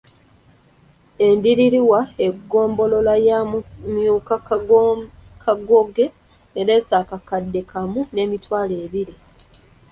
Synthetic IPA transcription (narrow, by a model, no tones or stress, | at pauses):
e̞ndiɾiɾiwae̞ɡːo̞ːmbo̞lo̞lajamumjuːka | kʰaɡoɡe̞ | eɾe̞ːsaːkakadːe̞kʰamune̞ːmitwaːleːβiɾi